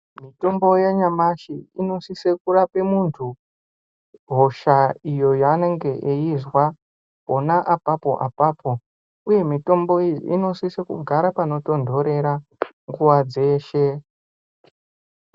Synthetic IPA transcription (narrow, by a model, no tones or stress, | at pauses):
mito̞mbo̞jaɲamaʃiino̞sisekurape̞muntʰu | ɦo̞ʃaijo̞jane̞ŋɡe̞ʔejizwa | onaʔapapo̞̰ʔa̰paːpʰo̞ | uje̞mito̞mbo̞ḭḭno̞sisekṵɡʱaɾapano̞to̞ndʱo̞ɾe̞ɾa | ŋɡuʋad͡ze̞ːʃe̞